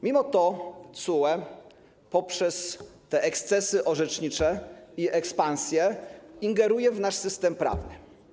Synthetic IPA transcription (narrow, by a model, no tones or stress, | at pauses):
mʲimɔt̪ɔt̪suwɛ | pɔpʂɛst̪ɛʔɛkst̪sɛsɘʔɔʐɛt͡ʂɲit͡ʂɛiʔɛkspansʲjɛiŋɡɛɾujɛvnaʂsɘst̪ɛmpɾa̰vnɘ̰